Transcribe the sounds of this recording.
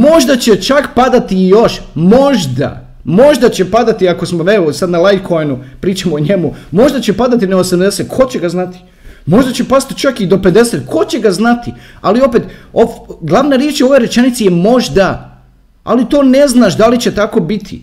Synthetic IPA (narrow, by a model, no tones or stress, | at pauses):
mo̞ʒd̪at͡ɕet͡ʃakpad̪at̪ijo̞ʃmo̞ʒd̪a̰ | mo̞ʒd̪at͡ɕe̞pad̪at̪iako̞smoeosad̪nalajt̪kʰojnupɾiːt͡ʃamooɲe̞mumo̞ʒd̪at͡ɕepad̪at̪ineosamd̪e̞set̪̚kʰo̞t͡ɕeɡaznat̪i̥ | mo̞ʒd̪at͡ɕe̞pad̪at̪i̥t͡ʃakid̪o̞ped̪e̞set̪kʰo̞t͡ɕe̞ɡaznat̪ialio̞pe̞t̪oɡlˠaʋnaɾje̞t͡ʃo̞ʋo̞jɾet͡ʃe̞nit̪sijemo̞ʒd̪a | a̰lit̪o̞ːne̞znaʃd̪alit͡ɕe̞t̪ako̞bit̪ʰḭ